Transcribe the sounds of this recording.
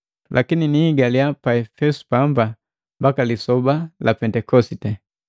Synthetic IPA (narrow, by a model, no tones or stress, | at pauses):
lʔakininiːɡaliapaɛfɛsu̥pamba | mbakalisɔbalapɛntɛkɔsitɛ